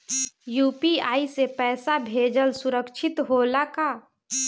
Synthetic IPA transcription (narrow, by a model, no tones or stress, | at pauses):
juːpiaːisepɛːsabʱeːd͡ʒəlsʊɾəkʃʰɪt̪ɦoːlakaː